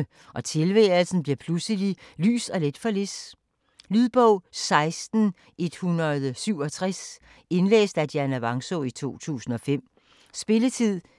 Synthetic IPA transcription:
ʔɒ̽t͡sʰe̝lʋḛːl̩sn̩b̥liɐpʰlusəlily̰ːsɒ̽le̝d̥fɒ̽les | lyðˠb̥ɔʊ̰sɑ̈ɪsd̥n̩ | ʔe̝d̥hunʁɐðˠsyʊ̰ɒ̽t͡sʰʁas | e̝nlḛːsd̥æd̥jænæʋɑ̈ŋsoit͡sʰo̝̰ːt͡sʰṵːsn̩ɒ̽fem̰ | sb̥e̝lət͡sʰið̰ˠ

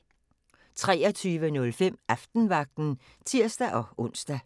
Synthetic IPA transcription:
t͡sʰʁɛːɐt͡sʰyːʋənɔ̽lfem̰ʔɑfd̥n̩ʋɑ̈ɡ̥̚d̥n̩ | t͡sʰiɐ̰sd̥æʔɒ̽ʔɔ̽n̰sd̥æ

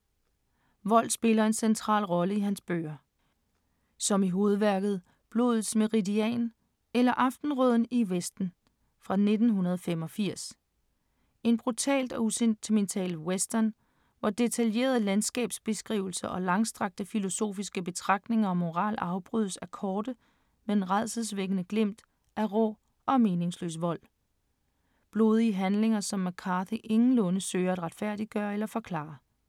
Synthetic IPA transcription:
ʋɒ̽l̰d̥sb̥e̝lɐe̝nsent͡sʰʁɑ̰̈ːlʁɒ̽ləiɦænsb̥ø̰ɐ | sɒ̽miɦo̝ːð̞̩ˠʋæɐɡ̥ð̞̩ˠ | b̥lo̝̰ð̞̩ˠsmeʁidiɛ̰ːn | elɐʔɑ̈fd̥n̩ʁɔð̞̰ˠn̩iʋesd̥n̩ | fʁɑ̈ne̝d̥n̩ɦunɐð̞ˠfem̰ɒ̽fiɐ̰s | e̝nb̥ʁut͡sʰɛ̰ːld̥ɒ̽usent͡sʰement͡sʰɛ̰ːlwesd̥ɐn | ʋɑd̥e̝t͡sʰælje̝̰ːɐð̞ˠlænsɡ̥ɛ̰ːb̥sb̥e̝sɡ̥ʁḭːʊl̩sɐʔɒ̽lɑ̈ŋsd̥ʁɑ̈ɡ̥̚d̥əfilo̝so̝̰ːfisɡ̥əb̥e̝t͡sʰʁɑ̈ɡ̥̚d̥ne̝ŋɐɒ̽mːo̝ʁɑ̰̈ːlɑ̈ʊb̥ʁyðˠsæɐkʰɒːd̥ə | me̥enʁɑ̈ð̰ˠsəð̩ˠsʋeɡ̥ənəɡ̥lem̰d̥ | æʁɔ̰ | ɒ̽me̝ːne̝ŋslø̰ːsʋɒ̽l̰ | b̥lo̝ːð̞ˠiəɦænle̝ŋɐsɒ̽mːækʰɑθiʔe̝ŋn̩lɔ̽nəsøːɐæd̥ʁɑ̈d̥fæɐ̰d̥i̥ɡ̥ɶːɐelɐfɒ̽kʰlɑ̰̈ː

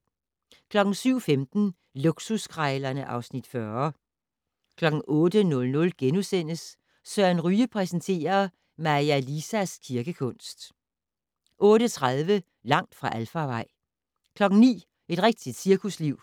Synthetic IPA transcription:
kʰlɒ̽ɡ̥n̩syʊ̰femd̥n̩ | luɡ̥suskʰʁɑɪlɐnəʔɑ̈ʊsnid̥fɶɐ | kʰlɒ̽ɡ̥ŋ̩ʔɔ̽ːd̥ənɔ̽lnɔ̽lɡ̥enusen̰əs | sœːænʁyːəpʰʁɛsənt͡sʰe̝̰ːɐ | mɑ̈iælisæskʰiɐɡ̥əkʰɔ̽n̰sd̥ | ʔɔ̽ːɾət͡sʰʁað̞ˠʋə | lɑ̈ŋ̰d̥fʁɑ̈ʔælfɑʋɑ̈ɪ̰ | kʰlɒ̽ɡ̥̩nḭː | e̝d̥ʁɛɡ̥̚d̥id̥siɐkʰusliʊ̰

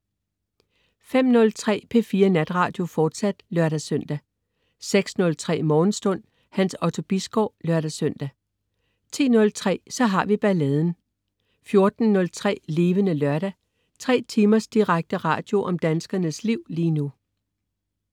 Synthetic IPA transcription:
fem̰nɔ̽lt͡sʰʁɛ̰ːpʰe̝fiːɐnæd̥ʁɑ̈ːd̥jo̝fɒːd̥sæd̥lɶɐɾæsœn̰d̥æ | seɡ̥snɔ̽lt͡sʰʁɛ̰ːmɒːn̩sd̥ɔ̽n̰ | hænsɒt͡sʰo̝b̥isɡ̥ɒʊlɶɐɾæsøn̰d̥æ | t͡sʰḭːnɔ̽lt͡sʰʁɛ̰ːsɒ̽ɦɑ̈ʋib̥æleðˠn̩ | fjo̝ɐd̥n̩ːɔ̽lt͡sʰʁɛ̰ːle̝ːʋənəlɶɐɾ̥æ | t͡sʰʁɛ̰ːt͡sʰiːmɐsd̥iʁaɡ̥̚d̥əʁɑ̰̈ːd̥jo̝ʔɒ̽md̥ænsɡ̥ɐnəsliʊ̰liːnu

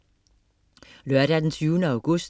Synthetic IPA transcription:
løɐɾ̥æd̥ensʰyːʊnəɑʊɡ̥ɔs

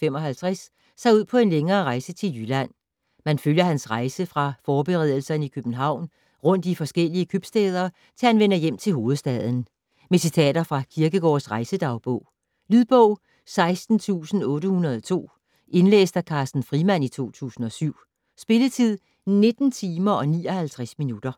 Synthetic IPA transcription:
fem̰ɒ̽ɦælt͡sʰʁɛsː | ɑɪuð̰ˠpʰɒ̽e̝nleŋɐːʁɑ̈ɪsət͡sʰe̝ljylæn̰ | mænføljɐhænsʁɑ̈ɪsəfʁɑ̈fɒːb̥eʁɛð̰ˠl̩sɐnəikʰøb̥n̩ɦɑ̈ʊ̰n | ʁɔ̽n̰d̥ifɒ̽sɡ̥el̰iəkʰøb̥sd̥ɛːð̞ˠɐː | t͡sʰe̝hænʋenɐjem̰t͡sʰe̝lɦo̝ːð̩ˠsd̥ɛð̞ˠn̩ | mesit͡sʰɛ̰ːd̥ɐfʁɑ̈kʰiɐɡ̥əɡ̥ɒ̰ːsʁɑ̈ɪsəd̥ɑ̈ʊb̥ɔʊ̰ | lyðˠb̥ɔʊ̰ | sɑ̈ɪsd̥n̩t͡sʰṵːsn̩ɔ̽ːɾəhunɐð̞ˠɒt͡sʰo̝̰ː | ʔe̝nlḛːsd̥ækʰɑ̈ːsd̥n̩fʁimæn̰it͡sʰo̝̰ːt͡sʰṵːsn̩ɒ̽syʊ̰ | sb̥e̝lət͡sʰið̰ˠ | ne̝d̥n̩t͡sʰiːmɐɒ̽nḭːɒ̽hælt͡sʰʁasminud̥ɐ

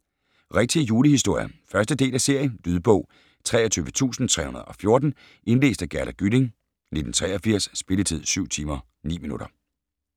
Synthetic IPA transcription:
ʁɛɡ̥̚t͡sʰijuːləhisd̥o̝ɐ̰jɐfɶɐsd̥əd̥e̝̰ːlæse̝ɐ̰jənd̥yðˠb̥ɔ̽ʊ̰ | t͡sʰʁɛ̰ːɐt͡sʰyːʋət͡sʰṵːsn̩t͡sʰʁɛ̰ːhunɐðˠɒ̽fjo̝ɐd̥n̩ | ʔe̝nle̝̰ːsd̥æɡ̥æɐlæɡ̥yde̝ŋ | ne̝d̥n̩t͡sʰʁɛːɒfiɐ̰sːb̥e̝lət͡sʰið̞̰ˠsyʊ̰t͡sʰiːmɐ | nḭːminuɾ̥ɐ

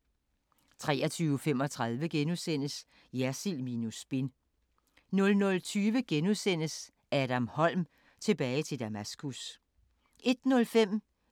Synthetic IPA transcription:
t͡sʰʁɛ̰ːɐt͡sʰyːʊfem̰ɒ̽t͡sʰʁɑ̈ð̞ˠʋəɡ̥enusen̰əs | jæɐsilminusb̥en | nɔ̽lnɔ̽lt͡sʰyːʋəɡ̥enusen̰əs | ʔæːɾ̥æmhɒ̽l̰m | t͡sʰe̝b̥ɛːɪt͡sʰe̝ld̥æmæsɡ̥us | ʔe̝d̥nɔ̽lfem̰

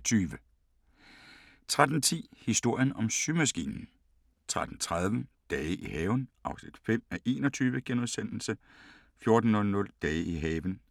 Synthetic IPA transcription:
t͡sʰyːʋə | t͡sʰʁad̥n̩t͡sʰḭːhisd̥o̝ɐ̰jənɒ̽msymæsɡ̥ḭːnn̩ | t͡sʰʁad̥n̩t͡sʰʁað̞ˠʋə | d̥ɛːəʔihɛːʊnʔɑ̈ʊsnid̥fem̰æʔe̝̰ːnɒt͡sʰyːʋəɡ̥enuðˠsen̰l̩sə | fjo̝ɐd̥n̩ɔ̽lnɔ̽ld̥ɛːəiɦɛːʋən

